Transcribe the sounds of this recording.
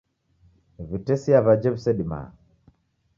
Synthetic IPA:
βitɛsiaβad͡ʒɛβsɛɗima̰

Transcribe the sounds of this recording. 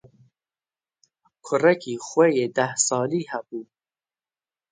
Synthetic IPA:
kʰʊɾɐkʰixwejed̪ahsɑːlihabuː

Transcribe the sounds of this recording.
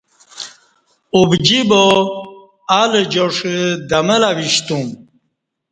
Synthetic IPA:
ubd͡ʑibo | aled͡ʑoʂed̪ɐməlawiɕt̪um

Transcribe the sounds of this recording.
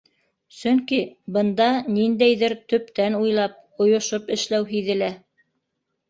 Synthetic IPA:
sɵŋkibɤ̆nd̪ɑnind̪æjðɘɾt̪ɵ̆p̚t̪ænujlˠɑp̚ | ŏjŏʃopɘ̆ʃlæwɦiðɘ̆læ

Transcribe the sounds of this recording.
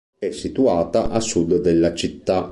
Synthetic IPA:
ɛsːit̪uaːt̪aʔasud̪d̪ɛlːat͡ʃit̪ːa

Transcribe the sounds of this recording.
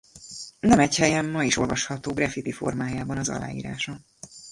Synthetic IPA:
nɛmɛchɛjɛmːɒiʃo̞̰lvɒʃhɒt̪oːɡrɛfit̪ifo̞̰rmaːjaːbɒnɒzɒ̰la̰ːjḭːɾa̰ːʃɒ

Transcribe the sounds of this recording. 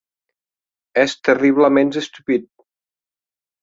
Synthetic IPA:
ɛst̪əriβləmenzest̪upit̪̚

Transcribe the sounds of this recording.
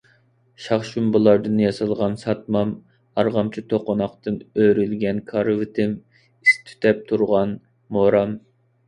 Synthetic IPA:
ʃɑχʃumbɨlˠɑɾd̪ɨnjɑsɨlˠʁɑnsɑt̪̚mɑm | ɑɾʁɑmt͡ʃʰit̪ʰoqonɑχt̪ɨnøɾylɡʲɛnkʰɑɾvɪt̪ʰɪm | ist̪ʰy̥t̪ʰɛp̚t̪ʰuɾʁɑn | moɾɑm

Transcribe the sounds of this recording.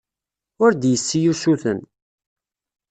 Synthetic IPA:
ʊɾd̪jəsːijusuθən

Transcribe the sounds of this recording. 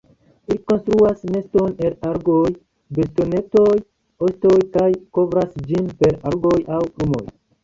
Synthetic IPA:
liko̞nstɾuasme̞sto̞ne̞laɾɡoj | besto̞ne̞to̞j | osto̞jkajko̞vɾasd͡ʒinpe̞ɾaɾɡo̞jawɾumo̞̰j

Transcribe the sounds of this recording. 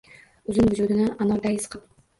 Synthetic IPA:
ɵzɪŋvɪd͡ʒud̪ɪnɪanɒld̪ajɪsqʰɨp

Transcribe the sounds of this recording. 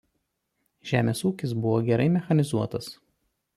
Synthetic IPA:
ʒʲæːmʲeːsuːkʲɪs̬bʊʋoːɡʲɛɾɐɪmʲɛxɐnʲɪzuɔt̪ɐs

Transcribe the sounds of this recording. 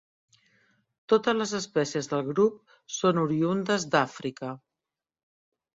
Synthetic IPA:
t̪ot̪əzləzəspɛsiəzðəlˠɣɾup̚ | sonuɾiund̪əzd̪afɾikə

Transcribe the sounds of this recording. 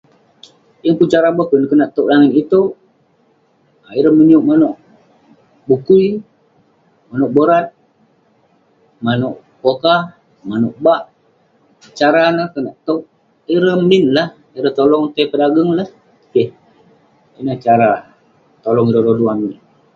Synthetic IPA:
jəŋkut͡ʃaɾabəhkənkənaʔt̪oʔlaŋɪnit̪oʔ | aiɾəməniuʔmanoʔ | bukui | manoʔboɾat̪̚ | manoʔ | koka | manoʔbaʔ | t͡ʃaɾanəkənaʔt̪oʔ | iɾəmminlah | iɾəht̪olɔŋt̪ajpədaɡəŋlah | keh | inət͡ʃaɾa | t̪olɔŋiɾəɾoduamin

